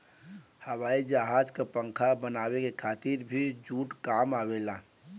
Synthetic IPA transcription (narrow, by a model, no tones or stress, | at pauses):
həwaːid͡ʒaɦad͡ʒkepə̃ŋkʰabənaːwekekʰaːt̪iɾbʱid͡ʒuːʈkaːmaːwela